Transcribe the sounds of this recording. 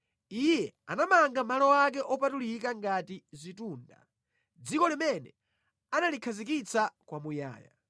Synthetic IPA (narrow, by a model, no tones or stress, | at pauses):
ijɛanamaŋɡamalɔwak̬ɛʔɔpatulik̬aŋɡatizʷituːnda̰ | d͡zikɔlimɛnɛ | analikʰazikit͡sʰakwamuja̰ːja̰